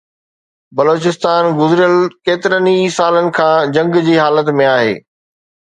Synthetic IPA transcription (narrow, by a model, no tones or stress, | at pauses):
bɐloːt͡ɕɪst̪aːnɡʊzɪɾjəlkeːt̪ɪɾənisaːlənɪ̆kʰãːd͡ʑɐ̃ŋɡd͡ʑiːɦaːlət̪mẽaːɦḛː